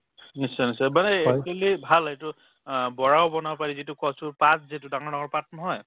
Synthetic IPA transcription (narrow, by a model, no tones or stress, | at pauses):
nisanisamanɛekalibʱaletʊ | bɔɹawbɔnawpaɹizitʊkɔsupat̚zitʊdaŋɔɹnaŋɔɹpat̚nɔɦɔj